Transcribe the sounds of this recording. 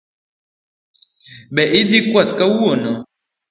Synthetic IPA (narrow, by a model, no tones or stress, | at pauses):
bɛʔidikwatkawwonɔ